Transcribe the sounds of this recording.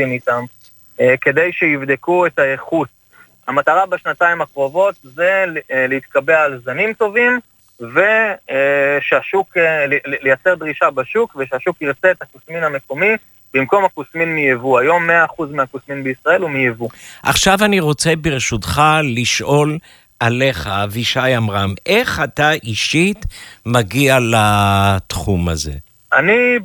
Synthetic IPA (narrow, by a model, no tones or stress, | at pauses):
init̪am | ke̞d̪ejʃeivd̪ekuetaeχut | hamat̪aʁabeʃnataimakʁo̞vo̞t̪zeleit̪kabealzanimto̞vim | ve | ʃeaʃuklejat͡se̞ʁd̪ʁiʃabaʃukveʃeaʃukiʁt͡seetakusminame̞ko̞mi | b̥imko̞mhakusminmijevuajo̞mːeaːχuzmeakusminbeisʁae̞lumijevuʔa̰χʃavaniʁo̞t͡se̞beʁeʃutχaliʃʔo̞l | ʔale̞χaviʃajamʁamʔe̞χat̪aʔiʃitmaɡialat̪χuma̰ze̞̰ | ʔa̰ni